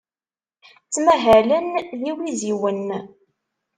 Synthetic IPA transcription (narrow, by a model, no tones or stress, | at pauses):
t͡sːmæɦælənjiwiziwən